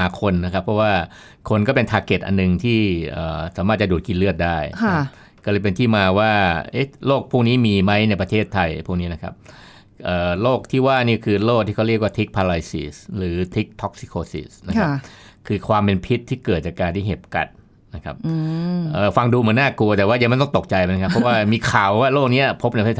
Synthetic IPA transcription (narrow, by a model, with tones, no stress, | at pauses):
aː˨˩˦kʰo˧nːa˦˥kʰa˦˥pʰːɔ˦˥waː˥˩ | kʰo˧nkɔː˥˩pe˧nt̪ʰaː˧ke˨˩t̪̚ʔa̰˧nːɯ˨˧ŋt̪ʰiː˥˩ʔəː˨˩saː˨˦maː˥˩t̚t͡ɕa˨˩duː˨˩t̪̚ki˧nlɯ˥˩ət̪̚daː˥˩ja˥ | kɔ˥˩ɤː˧jpe˧nt̪ʰiː˥˩maː˧waː˥˩ʔe˦˥loː˥˩k̚pʰuː˥˩ŋ̚niː˦˥miː˧ma˦˥jna˧jpɾa˧t̪ʰeː˥˩t̪ʰːa˧jpʰuː˥˩ŋni˦˥na˦˥kʰa̰˦˥p̚ | ʔəː˨˩loː˥˩k̚t̪ʰiː˥˩waː˥˩niː˥˩kʰɯː˧loː˥˩k̪̚ʰiː˥˩kʰɾi˥˩ək̚waː˥˩t̪ʰi˦˥k̚pʰaː˧la˧jsḭ˨˩sɾɯː˩˦t̪ʰi˦˥k̚t̪ʰɔ˦˥k̚si̥˧kʰoː˧sḭː˨˩sna˦˥kʰa˦˥pkʰɯː˧kʰwaː˧mpe˧npʰi˦˥t̪ʰːiː˥˩kɤː˨˩t̪̚t͡ɕaː˨˩kːaː˧nt̪ʰiː˥˩ɦe˨˩p̚ka̰˨˩t̪̚ | na˦˥kʰa˦˥p̚ʔəː˨˩fa˧ŋduː˧mɯ˩˦naː˥˩ku˧ɐt̪ɛ˨˩waː˥˩ja˧˦m˥˩nt̪ɔ˥˩t̪o˨˩k̚t͡ɕa˧jna˦˥kʰa˥ppʰːɔ˦˥waː˥˩miː˧kʰaː˨˩wːaː˥˩loː˥˩k̚ni˦˥ɐpʰo˦˥p̚n˧jpʰeː˥˩˨